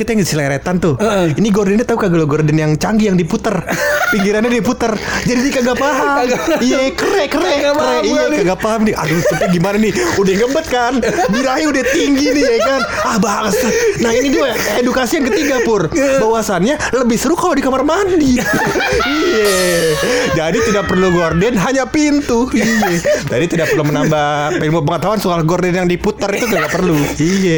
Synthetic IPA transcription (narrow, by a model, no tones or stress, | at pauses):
kit̪ajaŋsilaɾet̪ant̪ʊiniɡɔrdɪnɲat̪aukaɡəloɡɔrdɛnjaŋt͡ʃaŋɡijaŋdiput̪ərpiŋkiɾanɲadiput̪ərd͡ʒadidikaɡapaɦamijakərɛkəɾɛkərɛijakaɡapaɦamnia̰dusəpət̪iɡimananɪhudɛhɡəmbət̪̚kanbiɾaɦiudaht̪iŋɡiniikanahbaŋsanahinidua | edukasijaŋkət̪iɡapʊrbawasanɲa | ləbɪhsəɾʊkalodikamarmandi | ija | d͡ʒadit̪idak̚pərluɡordɛnɦaɲapint̪uijɛd͡ʒadit̪idak̚pərlumənambapilmʊpəŋət̪auansualahɡordɛnjaŋdiput̪ərit̪ut̪idɡapərluijɛ